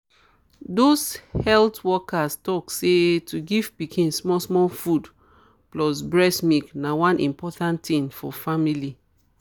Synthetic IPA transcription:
doshɛltwɔkastɔksetʰuɡiv̥pikʰĩnsmɔsmɔlfud | plɔsbɹɛsmiknawãnʔḭ̃mpɔtãntĩnfɔfamili

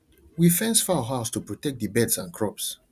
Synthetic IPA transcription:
wifɛ̃nsfɔawəɦaʊstupɹɔtɛk̚dəbɛdsãnkʰɹɔps

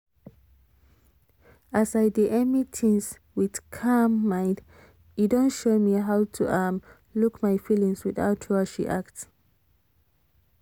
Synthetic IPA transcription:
asaɪdiʔɛmitʰĩns | wið̥kʰamːãɪ̃nd | idɔ̃nʃomiɦaʊtʰuʔam | lukmaɪfilĩŋswiθa̰ʊtʰaʃḭʔa̰k̚t

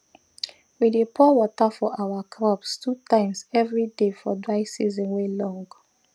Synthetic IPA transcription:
widepʰɔwɔtafɔʔawakʰɾɔpstʰutãɪ̃msɛvɹidefɔdɹaɪsizɔ̃nwelɔ̃ŋɡ

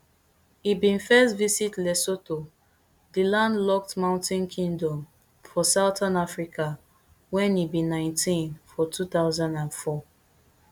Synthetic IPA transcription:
ibĩnfɛstvisitlɛsoto | dilãndlɔk̚tmãʊ̃ntĩnkʰĩŋdɔ̃m | fɔsaʊtãnafɹikʰa | wɛ̃nibĩnãɪ̃ntʰĩnfɔtʰut̪aʊzãndãnfɔ

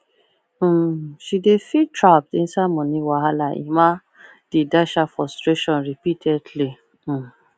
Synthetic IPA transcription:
ʃidefitɹap̚tĩnsamɔ̃nĩwaɦalaʔḭma | d̥edaʃafɹɔstɹeʃɔ̃nɹipitʰɛdlĩ

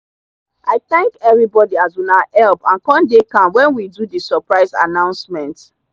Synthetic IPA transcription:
ʔaɪθɛ̃ŋkɛvɹibɔdiazɔ̃naʔɛlpãnkɔ̃ndekãmwɛ̃nwidudisɔpɹaɪza̰nãʊ̃nsmɛ̃nt

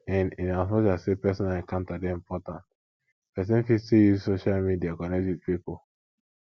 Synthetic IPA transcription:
ɛ̃nĩnazmɔt͡ʃazsepɛsĩnaɛ̃kãʊ̃ntadeĩmpʰɔtãnt | pɛs̬ɛ̃nfitijisoʃalmidiakɔnetwid̚pipo

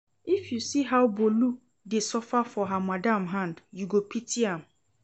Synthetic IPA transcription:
ifjusiɦawbolu | desɔfafɔɦãmãdãmɦãndjuɡopʰitʰiãm

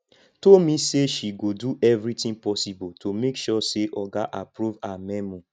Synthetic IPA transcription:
tolmĩseʃiɡoduʔɛvɹitĩŋpɔsibotʰomekʃɔseʔɔɡaʔapɾuvamɛmũ

